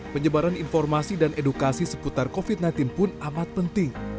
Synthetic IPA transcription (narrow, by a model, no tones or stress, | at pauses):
pəɲəbaɾaninfɔrmasidanedukasisə̥put̪arkofit̪̚najnt̪ɪnpʊnamat̪̚pənt̪ɪŋ